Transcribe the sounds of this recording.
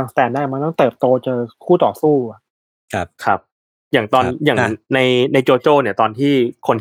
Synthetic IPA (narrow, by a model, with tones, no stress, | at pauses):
a˧˩ŋst̪ɛː˧˩naː˥˩˨ma˧nt̪ɔ˥˩ŋt̪ɤː˨˩p̚t̪oː˧t͡ɕa˨˩kʰuː˥˩t̪ɔː˨˩suː˥˩a˨˩ | kʰp̚kʰa˦˥p̚ | jaː˨˩ŋt̪ɔː˧njaː˨˩na˧jna˧jt͡ɕoː˧t͡ɕoː˥˩ni˥˩ɐt̪ɔː˧nt̪ʰiː˥˩kʰo˧nt̪